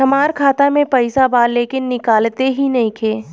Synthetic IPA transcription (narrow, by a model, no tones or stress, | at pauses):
ɦɐmaːɾkʰaːt̪amẽpɐɪsabaːɾleːkɪnːɪkaːlt̪eɦinɐɦĩkʰeː